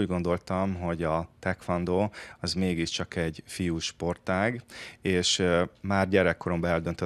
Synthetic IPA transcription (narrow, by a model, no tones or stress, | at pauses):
uːɟɡo̞nd̪o̞lt̪ɒmɦo̞ɟɒt̪ɛkfɒnd̪oːɒzmeːɡiʃt͡ʃɒkɛɟfijuːʃpo̞rt̪aːɡeːʃmaːrɟɛɾɛkːo̞ɾo̞mbɒɛld̪ønt̪ø